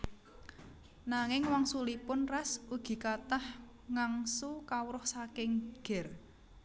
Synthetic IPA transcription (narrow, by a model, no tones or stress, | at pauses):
naŋɪŋwɔŋsulipʊnrasuɡ̥i̤kat̪ah | ŋaŋsukawɾʊhsakɪŋɡ̥ɛ̤r